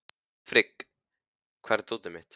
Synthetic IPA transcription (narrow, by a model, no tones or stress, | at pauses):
fɾɪk | kʰv̥ɛɾt̪uːt̪ɪmɪht̪